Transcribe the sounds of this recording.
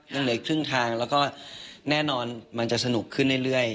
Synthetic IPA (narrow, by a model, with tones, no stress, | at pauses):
lɯ˧˥˩ŋlɯ˨˩˦ə˦jkʰɾɯ˥˩ŋt̪ʰaː˧ŋlɛː˦˥wkɔː˥˩nɛː˥˩nɔː˧nma˧nt͡ɕa˨˩ʔsa˧nu˨˩kʰːɯ˥˩nːlaː˥˩jɾɯ˥˩əj